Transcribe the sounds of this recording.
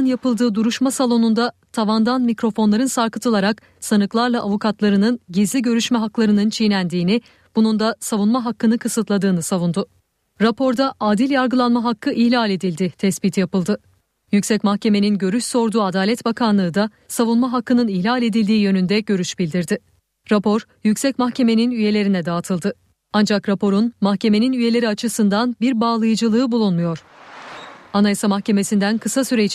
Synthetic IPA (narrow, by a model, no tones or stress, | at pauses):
ɯnjapɯlˠd̪ɯːd̪uɾuʃmasalˠo̞nund̪at̪ʰavand̪anmicɾo̞fo̞nlˠaɾɯnsaɾkɯt̪ʰɯlˠaɾak | sanɯklˠaɾlˠaʔavukʰat̪lˠaɾɯnɯnɟizlʲiɟø̞ɾyʃmɛɦaklˠaɾɯnɯnt͡ʃʰijnʲænd̪iːnɪ | b̥unund̪asavunmaɦakːɯnɯkʰɯsɯt̪lˠad̪ɯːnɯsavund̪ʊ | ɾapʰo̞ɾd̪aʔaːd̪ilʲjaɾɡɯlˠanmaɦakʰːɯʔiçlʲalʲe̞d̪ilʲd̪ɪt̪ʰɛsbiːt̪ʰjapɯlˠd̪ɯ | jycsɛcmaxce̞me̞ninɟø̞ɾyʃso̞ɾd̪uːad̪aːlʲɛt̪bakʰanlˠɯːd̪a | savunmaɦakːɯnɯniçlʲalʲe̞d̪ilʲd̪iːjø̞nynd̪ɛɟø̞ɾyʃbilʲd̪iɾd̪ɪ | ɾapʰo̞ɾ | jycsɛc̚maxcʰe̞me̞ninyje̞lʲe̞ɾinɛd̪aːt̪ʰɯlˠd̪ɯ | and͡ʒakɾapo̞ɾunmaxcʰe̞me̞ninyje̞lʲe̞ɾiat͡ʃʰɯsɯnd̪anbiɾbaːlˠɯjɯd͡ʒɯlˠɯːbulˠunmujo̞ɾ̥ | anajasamaxce̞me̞sind̪ænkʰɯsasyɾet͡ʃ